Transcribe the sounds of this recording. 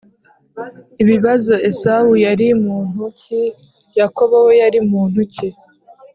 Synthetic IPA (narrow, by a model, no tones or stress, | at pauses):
iβiβazo̞e̞saujaɾimuːn̥uci | jako̞βowe̞jaɾimuːn̥huce